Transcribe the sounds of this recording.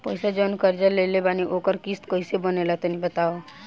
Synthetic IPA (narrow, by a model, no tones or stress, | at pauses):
pəɪsad͡ʒənkəɾd͡ʒəlelebaniʔokəɾkist̪koisebənelat̪ənibət̪ao